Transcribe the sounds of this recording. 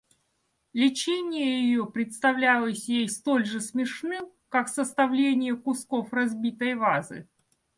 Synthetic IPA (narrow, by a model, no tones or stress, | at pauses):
lʲɪt͡ɕenʲɪjəjɪjopɾʲɪt̪st̪ɐvlʲælˠəsʲjejst̪o̞lʲʐɨsmʲɪʂnɨ | kaksəst̪ɐvlʲenʲɪjəkʊskofrɐzbʲit̪əjvazɨ̰